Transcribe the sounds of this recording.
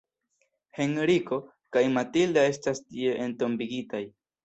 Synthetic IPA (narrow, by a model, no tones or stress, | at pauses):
heŋɾiko̞ | kajmatildae̞stastieʔento̞mbiɡitaj